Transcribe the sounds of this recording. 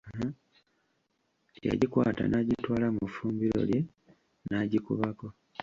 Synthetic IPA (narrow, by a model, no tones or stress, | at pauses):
a̰ɟikwa̰ːta̰naɟitwaːlamufuːmbiɾo̞̰lje̞ | naɟikuβako̞